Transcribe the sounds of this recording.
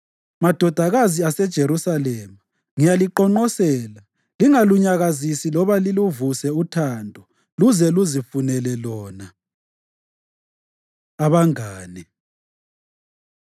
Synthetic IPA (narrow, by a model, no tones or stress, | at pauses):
mad̥ʱɔd̥ʱaɣaziasɛd̥ʒ̥ʱeɾusalɛːma | ŋijaliǃɔŋ͡ǃɔsɛːla | liŋaluɲaɣazisilɔβaliluvusɛutʰandʱɔ | luzɛluzifunɛlɛlɔːna | aβaŋaːni